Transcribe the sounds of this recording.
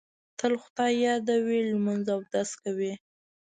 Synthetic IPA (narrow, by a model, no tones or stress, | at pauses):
t̪əlxʊd̪ɑjjɑd̪awilmanzawd̪askawi